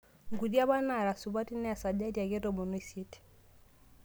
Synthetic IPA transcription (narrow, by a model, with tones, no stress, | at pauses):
ŋɡu˨dja˦βa˦na˨ɾa˨su˨ba˦ti˦nɛ˦a˨sa˨d͡ʒa˦dja˨ɡe˦to˨mo˨no˦i˦sje˦t